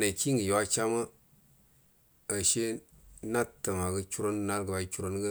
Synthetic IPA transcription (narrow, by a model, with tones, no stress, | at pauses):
ne˨ki˦ŋɡə˨ju˨wa˦t͡ʃa˦mə˦ | ə˨ʃe˦na˦tːə˨ma˨ɡə˦t͡ʃu˦ɾo˦n˦na˦tɡə˨ba˨˦t͡ʃu˦ɾo˦nɡə˦